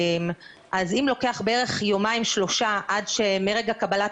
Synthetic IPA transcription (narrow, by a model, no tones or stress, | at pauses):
m | ʔazimlo̞ke̞aχbeeʁe̞χjomaimʃlo̞ʃaʔadʃemeʁeɡakabalat